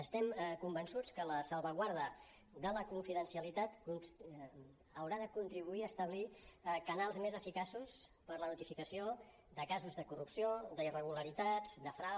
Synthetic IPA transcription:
əst̪ɛmkumbənsut͡skələsəlˠβəɣwaɾðə | d̪ələkuɱfiðənsiəlit̪at̪kuns | əwɾaðəkunt̪ɾiβuiəst̪əβ̞likənalˠzmezəfikasuspəɾlənut̪ifikəsio | d̪əkazuzðəkurupsiod̪əirəɣ̞uləɾit̪ad͡zd̪əfɾa

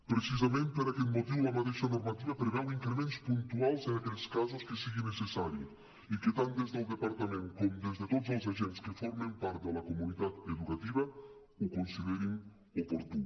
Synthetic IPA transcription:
pɾet͡ʃizamẽnt̪eɾakelmot̪ivulamat̪ɛʃanoɾmat̪ivapɾevaliŋkɾemẽnt̪spunt̪ualsenakɛʎskazoskesiɡinːesesaɾji | iket̪ãnt̪̚d̪ezd̪eld̪epaɾt̪amẽnt̪̚komd̪ezd̪et̪ot̪zelˠz̬aʒɛnt̪skefɔɾmempaɾt̪̚d̪elakomunit̪at̪ed̪ukat̪ivɐ | okonsiðɛɾiŋ | opoɾt̪un

